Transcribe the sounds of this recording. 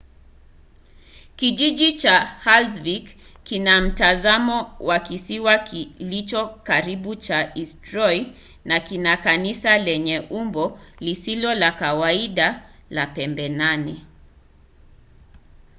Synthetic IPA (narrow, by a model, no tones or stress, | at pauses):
kiʄiʄit͡ʃahalzviɡkinam̩tazamɔwakisiwaklit͡ʃɔkaɾiɓut͡ʃaʔistɾɔj | nakinakanisalɛɲɛʔumbɔlisilɔlakawaiɗalapɛmbɛnani